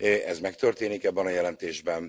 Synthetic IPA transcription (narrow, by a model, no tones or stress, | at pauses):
ʔɛzmɛkt̪ø̞rt̪eːnikɛbːɛnɒjɛlɛnt̪eːʒbɛn